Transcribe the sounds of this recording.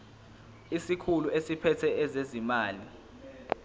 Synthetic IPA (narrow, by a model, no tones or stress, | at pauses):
isikʰuluʔesipʰɛtʰɛɛzezimaːli